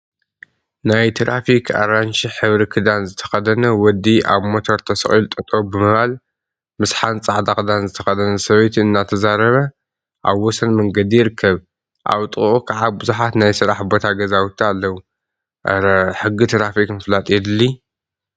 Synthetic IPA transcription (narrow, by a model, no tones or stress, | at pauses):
najt̪ʰɾafikʰa̰ɾant͡ʃiħɨβɾikʰɨd̪anzɨt̪ʰɐ̥xɐd̪ɐnɐwɔd̪ːiʔa̰βmot̪ʰo̞ɾt̪ʰɐsɨ̰χʼilt̪ʼt̪ʼo̞bɨmɨβal | mɨsħant͡sʼaʕd̪akd̪anzɨt̪ʰɐxɐd̪ɐnɐsɐβɐjt̪ʰɨnːat̪ʰɐzaɾɐβɐ | ʔa̰βːɔsɐnmɐŋɡɐd̪ijɪɾɨkʰːɐβ | ʔa̰wt̪ʼɨʔukʰaʕabɨzuħat̪najsɨɾaħbo̞t̪ʰaɡɐzawt̪ʰialːɐwu | ħɨɡːit̪ʰɾafikmɨflat̪ʼid̪ɨlːi